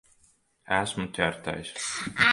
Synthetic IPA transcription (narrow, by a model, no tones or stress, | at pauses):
æsmut̪ʲæɾt̪a̰js